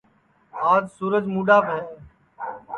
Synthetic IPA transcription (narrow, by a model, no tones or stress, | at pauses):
aːd͡ʒsuːɾəd͡ʒmuːɗaːpɦɛ̃ː